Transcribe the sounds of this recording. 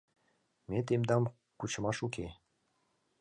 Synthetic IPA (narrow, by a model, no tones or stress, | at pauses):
met̪emd̪ɑm | kut͡ɕə̆mɑʃuke